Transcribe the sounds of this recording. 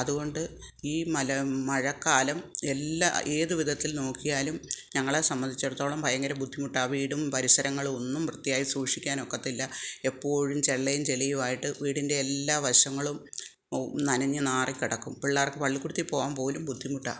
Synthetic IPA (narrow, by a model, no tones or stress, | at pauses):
ɐðuɣo̞ɳɖɨ | iːmɐlɐmɐɻɐkːaːlɐme̞lːa̰e̞ːðɨʋid̪ʱɐt̪ːilno̞ːkːijaːlumɲɐŋːɐɭesɐmːɐnd̪ʱit͡ɕːɐɽut̪ːo̞ːɭɐmpɐjɐŋɡɐɾɐmbʱud̪ʱːimuʈːaʋiːɽumpɐɾisɐɾɐŋːɐɭo̞nːumprɨt̪ːijaːjisuːʂikʲːaːno̞kːɐt̪ːilːɐe̞pːo̞ːɻumt͡ɕeɭːɐjumt͡ɕelijumaːjiʈːɨʋiːɽinde̞ːlːaːʋɐɕɐŋːɐɭum | nɐnɐɲːɐnaːrikʲːiɽɐkːumpiɭːaːrkːepɐɭːikːuɽut̪ːipːo̞ːɣaːnpo̞ːlumbʱud̪ʱːimuʈːa̰